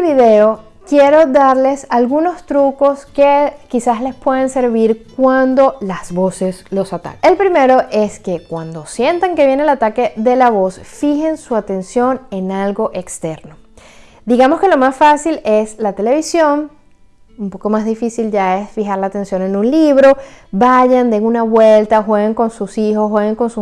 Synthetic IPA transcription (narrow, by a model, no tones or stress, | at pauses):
lβiðe̞o | kje̞ɾo̞ðaɾle̞salɣuno̞st̪ɾuko̞ske̞kisasle̞spwe̞ðense̞ɾβiɾkwand̪o̞lazβo̞se̞slo̞sat̪a̰kelpɾime̞ɾo̞ʔe̞skekwand̪o̞sje̞nt̪aŋke̞βje̞nelat̪ake̞ðe̞laβo̞sfixe̞nsuat̪e̞nsjo̞ne̞nalɡo̞ʔe̞kst̪e̞ɾno̞ | d̪iɣamo̞ske̞lo̞masfasile̞slat̪e̞le̞βisjo̞n | umpo̞ko̞mazðifisild͡ʒae̞sfixaɾlaːt̪e̞nsjo̞ne̞nũnliβɾo̞baʝand̪e̞ŋunaβwe̞lt̪axwe̞ɣeŋko̞nsusixo̞sxwe̞ɣeŋko̞nsu